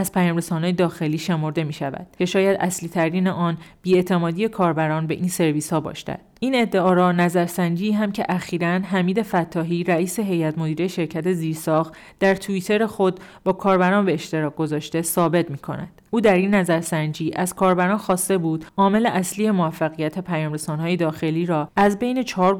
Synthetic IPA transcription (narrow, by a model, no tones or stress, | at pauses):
æz̥pʰæjɒːmɾe̞sɒːnɒːjed̪ɒːxe̞liːʃe̞mo̞ɾd̪e̞miːʃævæ̰d̪̥cʲʰe̞ʃɒːjæd̪ʔæ̰sliːt̪ʰæɾiːneʔɒːnb̥iːe̞t̪ʰemɒːd̪ije̞kʰɒːɾbæɾɒːnbe̞̰ʔiːnse̞ɾviːshɒːbɒ̰ːʃt̪æ̰d̪iːne̞d̪ːeɒːɾɒːnæzæɾsænd͡ʒiːɦæmcʰe̞ʔæxiːɾænɦæmiːd̪e̞fæt̪ʰːɒːɦiːɾæiːse̞ɦe̞jæt̪ʰmo̞d̪iːɾejeʃe̞ɾcʰæt̪ʰe̞ziːɾsɒːxt̪ | d̪̥æɾt̪ʰuit̪ʰe̞ɾe̞xo̞d̪̚bɒːkʰɒːɾbæɾɒːnbe̞ːʃt̪e̞ɾɒːk̚ɡ̥o̞zɒːʃt̪e̞sɒːbe̞t̪miːkʰo̞̰næ̰d̪̥ʔuːd̪æɾinːæzæɾsænd͡ʒiːʔæz̥kʰɒːɾbæɾɒːnxɒːst̪e̞buːd̪̥ʔɒːme̞le̞ʔæsliːje̞movæfːæɣijæt̪ʰepʰæjɒːmɾe̞sɒːnhɒːje̞d̪ɒːxe̞liːɾɒːæzbe̞jne̞t͡ʃʰɒːɾ